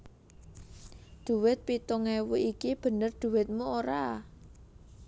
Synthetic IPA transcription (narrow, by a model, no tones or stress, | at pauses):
d̪̥ṳwɪt̪̚pit̪uŋɛwuʔikib̥ə̤nərd̪̥ṳwɪt̪̚muoɾa